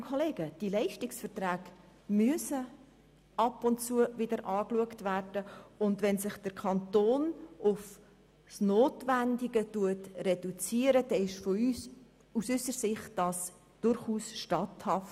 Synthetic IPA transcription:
kʰɔleːɡ̥əd̥ilɛɪʃtɪksfəɾtɾæːɡ | myəsə | ʔɑpʊnt͡suəvɪdəɾʔɑːkluəktværd̥əʊndʋɛnsɪχd̥əɾkʰɑntoːnʔʊf | snoːtʋændiɡətuətrɛdut͡siəɾəd̥ɛɪʃfɔys | usʏsəɾsɪχt̚d̥ɑːs | d̥ʊɾχuːsʃtɑthɑf

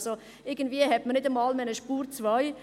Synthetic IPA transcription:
so | ɪɡən̩dviːəhɛtmənɪdəmɑːlmɛnəʃpuːɾt͡svaɪ

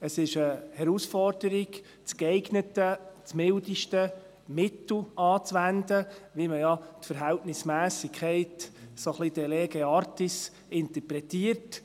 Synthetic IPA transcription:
əsɪʃəhɛɾusfɔɾd̥əɾɪɡ | t͡skɛɪɡnətət͡smɪldiʃtə | mɪt̪l̩ɑːt͡sʋænd̪əʋiməjɑtfəɾɦæltnɪsmæːsɪkʰɛɪtsoχlid̥ɛleɡeɑɾtis | ɪntəpɾɛtiərt

